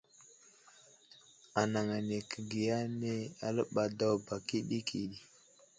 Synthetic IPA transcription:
a˨na˨ŋa˨ne˨kə˨ɡi˨ja˦ne˦a̰˨lə˦ɓa˨da˦wba˨ki˦ɗi˦kʰi˨ɗi˨

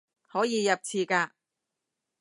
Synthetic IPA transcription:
hɔː˨˥jiː˨˧jɐ˨p̚t͡sʰiː˨˧kaː˧

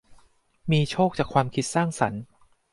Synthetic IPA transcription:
miː˧t͡ɕʰoː˥˩k̚t͡ɕaː˨˩kʰwaː˧mkʰi˦˥t̪̚saː˥˩ŋsa̰˩˦n

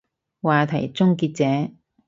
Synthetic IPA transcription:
waː˨t̪ʰɐ˨˩jt͡sʊ˥ŋkiː˧t̚t͡sɛː˨˥

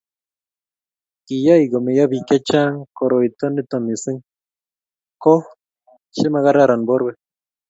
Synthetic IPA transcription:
ki˨ja˦jɡome˨jabi˨ke˦t͡ʃa˦ŋko˨ɾojt̪o˦ni˦t̪omi˨si˦ŋ | ko | ʃi˦ma˧ɣa˦ɾaɾa˨nboɾwe

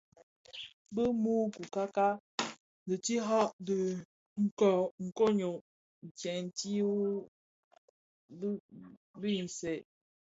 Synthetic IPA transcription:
bə˦mu˦ku˨ka˦ka˦ | də˨ti˦ɦɔ˦ʔdə˨ | ŋ̩˨kɔ˨ŋ̩˨ko˦ɲo˨ | n̩˨t͡ʃjɛ˨n˨ti˦ | bi˦˨n̩˨sɛ˨ʔ

